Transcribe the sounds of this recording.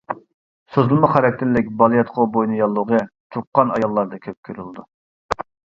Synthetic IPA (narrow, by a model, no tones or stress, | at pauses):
søzlˠmɑχɑɾɛk̚ʲt̪ʰɪɾlːɪk̚ʲbɑlˠjɛt̪qʰobojnɨjɑlˠːəʁət̪ʰup̚qːɑnɑ̰jɑlˠːɑɾd̪ɑkʲʰøp̚kʲʰøɾyld̪u